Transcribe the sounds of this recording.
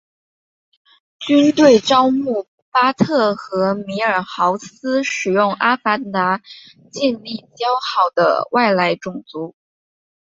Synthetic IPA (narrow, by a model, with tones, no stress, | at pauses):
t͡ɕy˥nt̪we˥˩ɪʈ͡ʂɑ˥ʊmu˥˩ | pa˥t̪ʰɤ˥˩xɤ˧˥mi˧˥ə˞˨˩xɑ˧˥ʊsɹ̩˥ʂɻ̩˨˩jʊ˥˩ŋʔa˥fa˧˥nt̪a˧˥ | t͡ɕjɛ˥˧nli˥˩t͡ɕjɑ˥ʊxɑ˥˩ʊd̪ə̰˦wʔa˥˩ɪla˧˥ɪʈ͡ʂʊ˨˩ŋt͡su˧˥